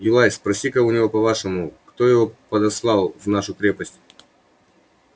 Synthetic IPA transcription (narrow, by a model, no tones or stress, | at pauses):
jʊlˠajspɾɐsʲikəʊnʲɪvo̞pɐvaʂɨmʊkt̪o̞jɪvo̞pɐd̪ɐslˠɑlˠvnaʂʊkɾʲepəsʲtʲ